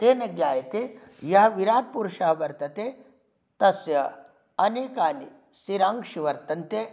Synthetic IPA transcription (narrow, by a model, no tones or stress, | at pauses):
t̪eːnɐɡjaːjɐt̪e | jɐɦɐʋiɾaːt̪̚puɾʃɐɦɐʋɐɾt̪ɐt̪e | t̪ɐsjɐ | ɐneːkaːni | siɾaŋkʂiʋɐɾt̪ɐnt̪e